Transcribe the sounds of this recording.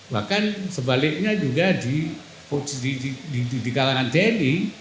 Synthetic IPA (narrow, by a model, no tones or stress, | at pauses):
ba̰hkansəbalɪk̚ɲad͡ʒuɡadi | pot͡ʃiidididikalanant̪ɛniŋ